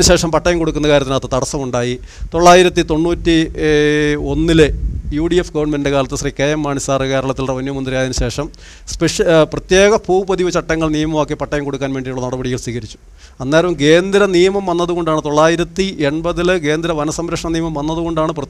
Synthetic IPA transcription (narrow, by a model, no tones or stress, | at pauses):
nɨɕe̞ːʂɐmpɐʈːɐjɐmko̞ɽukːunːɐkaːɾɐt̪ːinat̪ːɐt̪ɐɽɐsːɐmuɳɖaːji | t̪o̞ɭːaːjiɾɐt̪ːit̪o̞ɳːuːtːi | o̞nːilejuːɖijefɡɐʋɐrɳmendndekaːlɐt̪ːesriːkejɐmːaːɳisaːrɨkeːɾɐɭɐt̪ːilrɐʋɐnjɐmɐnd̪rijaːðinɨɕe̞ːʂɐm | speʂprɐt̪je̞ːɣɐpʰuːbɐdiʋɐt͡ɕɐʈːɐŋːɐɭnijɐmɐmokːepɐʈːɐjɐmko̞ɽukːaːnʋe̞ːɳɖiuɭːɐnɐɽɐbɐɽiɣɐɭswiːɣɐɾit͡ɕːu̥ | ɐnːaːɾɐʋumke̞ːnd̪ɾɐnijɐmɐmʋɐnːɐðuɣo̞ɳɖaːɳɨt̪o̞ɭːaːjiɾɐt̪ːiʔeɳbɐðilke̞ːnd̪iɾɐʋɐnɐsɐmɾɐkʂɐɳɐnijɐmɐmʋɐnːɐðuɣo̞ɳɖaːɳɨprɐ